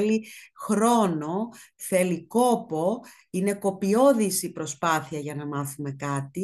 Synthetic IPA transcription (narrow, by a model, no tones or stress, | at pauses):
lixɾo̞no̞θe̞liko̞po̞ | ine̞ko̞pio̞ðisipɾo̞spɐθiɐʝɐnɐmɐθume̞kɐt̪i